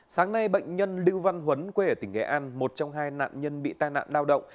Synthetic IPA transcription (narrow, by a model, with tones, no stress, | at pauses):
saː˨˦ŋna˧jɓə̰˧˨jŋ̟ɲə˧nli˧wva˧nɦwə˨˦nkwe˧ʔəː˧˩t̪ï˧˩ŋ̟ɡɛ̰˧˥ʔaː˧nmo˨˩t̚t͡ɕɔ˧wŋ͡mɦaː˧jna̰ː˧˨nɲə˧nɓḭ˧˨t̪aː˧jna̰ː˧˨nlaː˧wɗə̰˧˨wŋ͡m